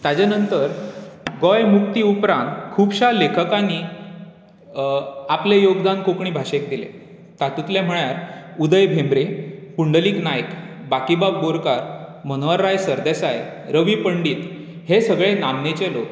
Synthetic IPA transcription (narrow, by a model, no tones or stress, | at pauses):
t̪ad͡ʑanənt̪əɾɡɔjmukt̪iupɾãnt̪kʰubɕalekʰəkani | aplejoɡd̪ankokɳ̃iːbʱaɕek̚d̪ilḛ | t̪at̪ut̪lem̤əɭjaɾud̪əjbʱemɾepuɳɖəliːknajk | bakibab̚boɾkaɾmənʋəɾːajsəɾd̪esajɾəʋipəɳɖiːt̪ | hesəɡɭenamnet͡ɕelok